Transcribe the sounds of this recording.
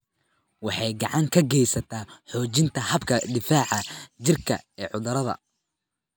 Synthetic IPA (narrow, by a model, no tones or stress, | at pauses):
wɑħɑjɡɑʕɑŋkʰɐɡɛjsɐt̪ʰaːħɔːt͡ʃɪnt̪ʰɐhɐbkʰɐd̪ɪfaːʕɑt͡ʃɪrkʰɐ̰ɛːʕʊðɐɾɐðɐ̰